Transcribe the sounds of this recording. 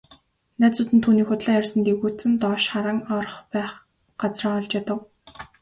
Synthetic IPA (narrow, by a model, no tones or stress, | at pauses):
næt͡sʊːt̪ɘ̆nt̪ʰːuːniːxʊt̪ɮæːærʲsə̆nt̪eɣuːt͡sɘ̆nt̪ɔːʃχaɾə̆ŋɔr̆χpæːχ | ɢat͡sraːɔɮt͡ɕat̪ə̆w